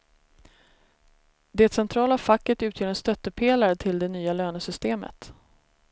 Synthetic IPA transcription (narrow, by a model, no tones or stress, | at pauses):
d̪ɛt̪sɛnt̪ʰɾɑːlafakːət̪ʉ̟ːt̪jœːɾɛnst̪œt̪ːəpʰeːlaɾət̪ʰɪld̪ɛnyːaløːnəsʏst̪eːmə̰t̪